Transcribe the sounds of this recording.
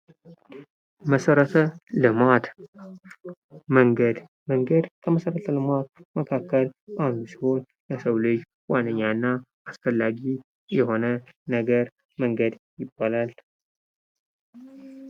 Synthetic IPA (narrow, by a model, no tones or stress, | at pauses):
məsəɾət̪ʰəlɨmat̪ | məŋɡəd̪ | məŋɡəd̪kʰəməsəɾət̪ʰəlɨmat̪̚məkʰakːəlʔahnusiho̞n | ləsəwlɨd͡ʒ | wanːəɲːanːaʔasfəlːaɡi | jɛho̞nə | nəɡəɾ | məŋɡəd̪jɪbːalal